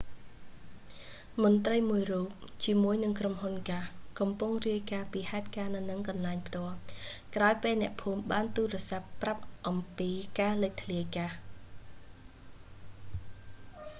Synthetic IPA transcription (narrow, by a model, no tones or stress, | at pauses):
mŏnt̪rəjmuəjruːp̚t͡ɕiəmuəjnɨŋkromhunkahkɑmpuŋriəjkaːpiːhaɛt̪̚kaːnɨwnɨŋkɑnlaɛŋpʰt̪ŏəlkraɔjpeːlnɛ̆əʔpʰuːmɓaːnt̪uːrɛ̆əsapːrap̚ʔɑmpiːkaːləc̚t̪ʰliəjkah